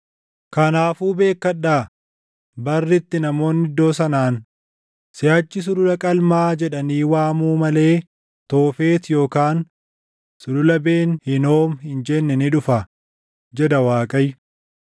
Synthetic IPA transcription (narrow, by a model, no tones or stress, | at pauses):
kɐnaːfuːbe̞ːkːɐɗːaː | bɐrːɪt̪ːɪnɐmo̞ːnːɪd̪o̞ːsɐnaːn | sɪjaːt͡ʃːɪs̬ʊlʊlɐkʼɐlmaːd͡ʒɛᶑɐniːwaːmuːmɐle̞ː | t̪o̞ːfe̞ːt̪jo̞ːkaːn | sʊlʊlɐbe̞ːnhɪno̞ːmhɪnd͡ʒɛnːɛnɪᶑʊfɐ | d͡ʒɛd̪ɐwaːkʼɐj